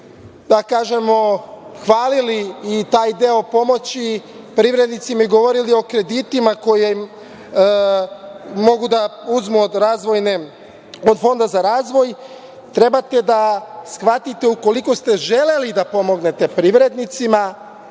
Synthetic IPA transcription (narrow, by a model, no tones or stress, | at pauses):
d̪akaːʒe̞mo̞xʋaːliliːt̪aːjd̪e̞o̞po̞mo̞t͡ɕi | pɾiʋɾe̞d̪nit̪simaiɡo̞ʋo̞ɾilio̞kɾe̞d̪it̪imako̞jem | mo̞ɡud̪auzmuod̪ɾaːzʋo̞jne | od̪fo̞nd̪azaɾaːzʋo̞j | t̪ɾe̞bat̪e̞d̪asxʋat̪it̪e̞uko̞liko̞st̪e̞ʒe̞le̞lid̪apo̞mo̞ɡne̞t̪e̞pɾiʋɾe̞d̪nit̪sima